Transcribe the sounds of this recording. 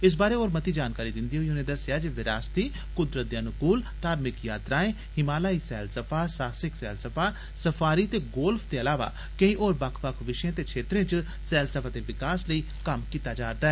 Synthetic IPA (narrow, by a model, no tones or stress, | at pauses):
ɪs̬baːɾeːoːɾmət̪iːd͡ʒaːnkaːɾiːd̪ɪnd̪iːɦoiːɦonẽːd̪əsɪjaːd͡ʒeʋɪɾaːst̪iː | kʊd̪ɾət̪̚d̪eənʊkuːlt̪aːɾmɪkjaːt̪ɾaːẽː | hɪmaːlaːiːsɛːlsəpʰaːsaːsɪksɛːlsəpʰaː | səpʰaːɾiːt̪eːɡoːlpʰd̪eːəlaːʋa̰ː | kə̃ĩːʔoːɾbəkʰpəkʰʋɪʃẽːt̪eːkʰeːt̪ɾẽːt͡ʃ | sɛːlsəpʰaːt̪eːʋɪkaːsləiː | kəmkiːt̪aːd͡ʒaːɾd̪aːɛː